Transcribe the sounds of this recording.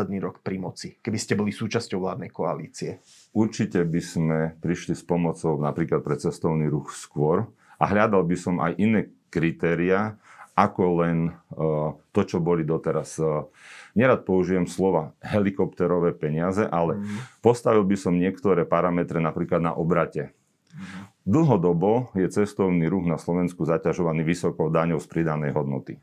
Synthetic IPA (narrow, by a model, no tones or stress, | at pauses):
ɛd̪niːɾɔkpɾimɔt͡sikɛbiscɛbɔlisuːt͡ʃascɔʊɦlaːd̪nɛjkɔa̰lḭːt͡siɛ | uɾt͡ʃicɛbiz̥mɛpɾiʃlispɔmɔt͡sɔʊnapɾiːklat̪̚pɾɛt͡sɛst̪ɔʊniːɾuxskʊɔɾ | ʔa̰ɦʎad̪albisɔma̰jʔinɛː | kɾit̪ɛːɾiaːʔakɔlɛn | t̪ɔt͡ʃɔbɔlid̪ɔt̪ɛɾas | ɲɛɾaːt̪̚pɔuʒiʋɛmslɔʋaɦɛlikɔpt̪ɛɾɔʋɛːpɛɲɪazɛʔalɛpɔst̪aʋilbisɔmɲɪɛkt̪ɔɾɛːpaɾamɛt̪ɾɛnapɾiːklad̪na̰ʔɔbɾacɛ | d̪l̩ɦɔd̪ɔbɔjɛt͡sɛst̪ɔʊniːɾuɣnaslɔʋɛnskuzacaʒɔʋaniːʋisɔkɔʊd̪aɲɔʊspɾid̪anɛjɦɔd̪nɔ̰t̪i